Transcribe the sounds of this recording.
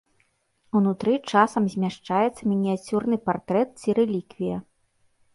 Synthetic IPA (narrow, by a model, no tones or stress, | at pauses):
unut̪ɾɨt͡ʂasɐmzʲmʲaʂt͡ʂajɛt̪sːɐmʲinʲiat͡sʲurnɨpart̪ɾɛt̪̚t͡sʲiɾɛlʲikvʲijɐ